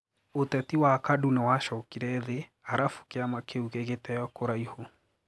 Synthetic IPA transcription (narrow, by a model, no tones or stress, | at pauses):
otɛtiwakadunewaʃɔkiɾɛðe | aɾafu̥keamakeuɣeɣetɛjɔkoɾaiho